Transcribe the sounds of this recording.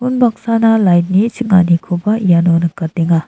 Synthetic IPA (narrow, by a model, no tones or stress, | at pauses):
punbak̚sanɐlajt̚nit͡ʃʰik̚ŋa̰nikʰobɐjanonɐkateŋa